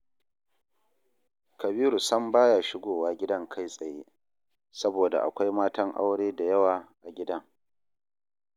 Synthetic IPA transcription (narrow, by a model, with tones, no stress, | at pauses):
kɐ˨biː˦ɾu˨sɐ˦mbaː˦jaː˨ʃɪ˦ɡʷoː˨waː˦ɡʲɪ˦dɐ˦ŋkʰa˦jsʼɐ˨jeː˦ | sɐ˦boː˨da̰˨ʔa̰˨kʷa˦jmaː˦tɐ˦ŋʔa̰˦wɽeː˦da˨jɐ˦waː˨ʔa˨ɡʲɪ˦dɐ˦ŋ